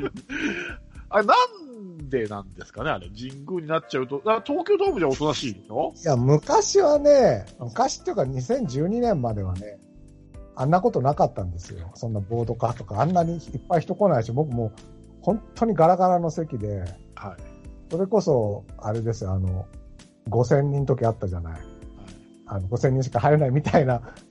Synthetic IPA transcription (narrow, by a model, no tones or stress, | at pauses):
aɾenãnd̪e̞nã̰nd̪e̞sɨ̥kaneaɾḛd͡ʑĩŋɡɯ̟ːɲ̟inat͡ɕaɯ̟t̪o̞d̪at̪oːkʲo̞ːd̪oːbɯ̟d͡ʑaot̪onaɕiːd̪esojamɯ̟kaɕiβane̞mɯ̟kaɕi̥t̪ːejɯ̟kaɲisẽ̞ɲ̟d͡ʑɨːɲ̟inẽ̞mːad̪e̞βane̞ | anːako̞t̪o̞nakat̪ːãnd̪e̞sɨ̰jo̞̰sõ̞nːabo̞ːd̪o̞kast̪o̞kaãnːaɲ̟ʲiipːaiçi̥t̪o̞ko̞naiɕibo̞kɯ̟mo̞ː | hõ̞nt̪ʰːo̞ɲ̟iɡaɾaɡaɾano̞se̞kʲid̪e̞ | haso̞ɾe̞ko̞so̞a̰ɾe̞d̪e̞sɨjoano̞ | ɡo̞s̬ẽ̞ɲ̟ːĩnt̪o̞kʲiat̪ːaʑana̰ḭa | ano̞ɡo̞sẽ̞ɲ̟ːĩɕ̬i̥kahaɾe̞naimʲit̪aina